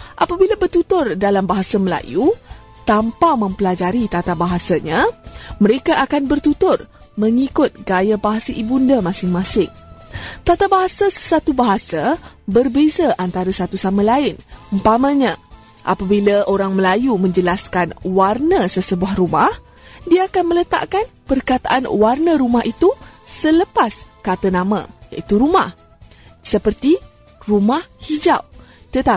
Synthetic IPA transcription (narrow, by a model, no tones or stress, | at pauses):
ʔapabilabərt̪ut̪ʊrdalambaɦasaməla̰ju | t̪ampamə̃mpəlad͡ʒaɾit̪at̪abaɦasaɲãməɾekaʔakanbərt̪ut̪ʊr | mə̃ŋikʊt̪̚ɡajabaɦasaʔibundamãsɪŋmãsɪŋt̪at̪abaɦasasə̥sat̪ubaɦasa | bərbezaʔant̪aɾasat̪usamãlaɪnəmpamə̃ɲã | ʔa̰pabilaʔoɾaŋməlajumə̃ɲd͡ʒəlaskanwarnəsəsəbuahrumah | diaːkanmə̃lət̪a̰ʔkanpərkat̪a̰ʔanwarnəɾumaɦʔit̪usələpaskat̪ənamã̰ja̰ʔit̪uɾumah | səpərt̪i | rumahhid͡ʒawt̪ət̪a